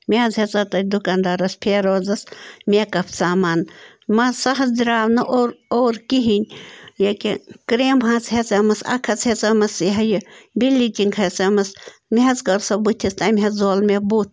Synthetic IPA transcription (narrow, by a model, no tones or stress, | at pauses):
mʲeɐzɦet͡sɐt̪ɐd̪ukand̪aɾɐspʰeːɾoːzɐsmʲekɐpʰt͡saːmaːn | mɐsɐɦɐzd̪iɾaːʋnɐʔoːɾoːɾkiɦinʲjɐkʲikɾeːmɦãːt͡sɦʲet͡sɐmɐsɐ̰kʰɐt͡shet͡sɐmɐsiɦɐjɐbilːit͡ʃiŋkʰɐt͡sɐmɐsmiɦɐzkɐɾsɐbut̪ʲʰist̪ɐmʲɦɐzoːlmebut̪̚ʰ